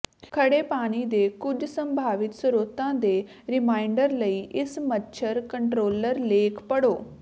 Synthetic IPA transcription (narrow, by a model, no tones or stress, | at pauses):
kʰəɽeːpaːñiːd̪eːkʊd͡ʒsə̃mbʱaːʋɪt̪səɾoːt̪ãːd̪eː | ɾɪmaːɪɳɖəɾləiːʔɪsmətːʃʰəɾkəɳʈɾoːləɾleːkʰpəɽoː